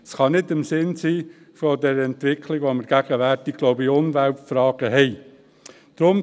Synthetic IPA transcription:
sχɑnɪdɪmsɪnsiː | fodɛɾɛntʋɪkʰlɪɡʋoməɾɡ̥æɡ̥əʋæɾtɪɡ̥ɡ̥loʊbiʊnʋæltfɾɑːɡ̥əɦɛɪ | d̪̥ɾʊm

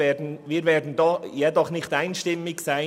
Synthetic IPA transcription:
ɛːdn̩viːɾvɛːdn̩dɔjɛdɔχnɪxtaɪnʃtɪmɪçsaɪ

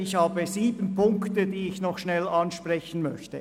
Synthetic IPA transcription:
ɪçhaːbəziːbən̩pʰʊŋktədiːɪçnɔχʃnɛlɑnʃpʁɛçən̩mœçtə

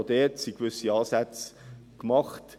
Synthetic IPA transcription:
dɛːtsikvʏsiɑːsæt͡skmɑχt

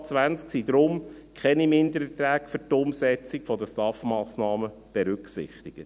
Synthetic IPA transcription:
t͡sʋænsksid̪ɾʊm | kʰχɛnimɪnd̪əɾətɾæːkfʏtʊmsɛt͡sikfɔd̪əstɑfmɑːsnɑːmə | b̥ɛɾʏksɪ̰χt̪ɪɡ̥ə

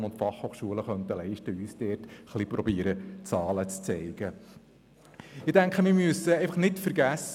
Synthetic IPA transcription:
nʊntfɑχhoːχʃuələχœnt̪əlɛɪʃtəyːsd̥ɛːtχlipɾɔbiːəɾət͡sɑːlət͡st͡sɛɪɡ̥ə | ɪdæŋkχəmɪɾmyəsəeɪfɑχnɪtfəɾɡæs

